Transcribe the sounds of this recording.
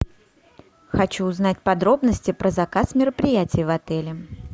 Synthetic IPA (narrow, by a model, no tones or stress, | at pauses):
xɐt͡ɕuːzn̪atʲpɐd̪ɾo̞bnəsʲtʲɪpɾʔəzɐkasmʲɪɾəpɾʲɪjætʲɪjvɐt̪ɛlʲɪ